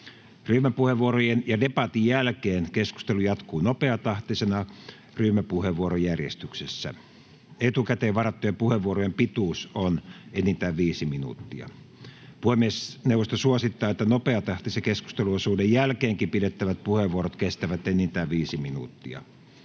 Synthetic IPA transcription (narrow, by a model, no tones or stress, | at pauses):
ryːmæpuheʋuorojenjɑdepɑt̪ijjælkeːnkesku̥st̪elujɑt̪kuːnopeɑt̪ɑht̪isenɑ | ryːmæpuheʋuorojærjḛst̪yksesːæ̰ | et̪ukæt̪eːʋʋɑrɑt̪ːujɑpuheʋʋuorojempit̪uˑsonenːint̪æːʋʋiːsiminṵt̪ːiɑ̰ | puhemːiesnewʋːˑost̪ɑsuosit̪ːɑːet̪ːænopeɑt̪ɑht̪isekesku̥st̪eluosuːdejjælkeːŋkimpidet̪ːæʋæt̪̚puheʋʋuoɾot̪kest̪æʋæt̪enint̪æːʋʋiːsiminṵt̪ːiɑ̰